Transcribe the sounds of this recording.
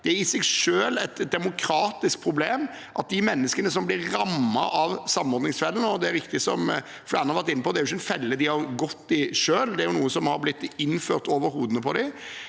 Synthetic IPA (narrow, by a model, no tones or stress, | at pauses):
d̪̥ɛæɾɪsɛɡʂøːlɛt̪d̪ɛmʊkʰɾɑːt̪ɪskpʰɾʊbleːm | ʔɑt̪̚d̪ɪmɛnːəskənəsɔmblɪɾːɑmːɑ̰ʔɑʋsɑmːɔɾd̪nɪŋsfɛlːənəɔd̪ɛæɾɪkt̪ɪsɔm | flæːnhɑɾʋæɾt̪ɪnːəpʰɔd̪ɛæɾʊɪçːəɛnfɛlːəd̪ɪhɑɾɡɔt̪ːɪʂøːld̪ɛæɾjʊnuːəsɔmhɑɾblɪt̪ːɪnːføːɾt̪oːʋəɾhuːd̪ənəpʰɔd̪ɪ